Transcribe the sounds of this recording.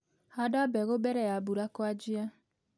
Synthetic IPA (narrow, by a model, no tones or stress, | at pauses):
hadabɛɣobɛɾɛjabuɾakwad͡ʒia